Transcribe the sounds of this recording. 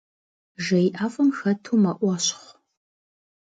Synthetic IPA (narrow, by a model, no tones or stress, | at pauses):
ʒɐjʔaːfɐmxɐtʰuːmɐʔʷɑɕχʷ